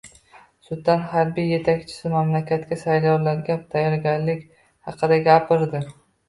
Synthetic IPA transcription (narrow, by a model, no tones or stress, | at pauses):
sʊd̪anhaɾbijːe̞t̪ʰakʲt͡ʃʰɪ̥sɪmamlakʲʰat̪kʲasajlɒwlaɾɡʲap̚t̪ʰajɒɾɡʲanlɪkʲ | hɑqʰɨd̪aɡʲapʰɪɾd̪ɪ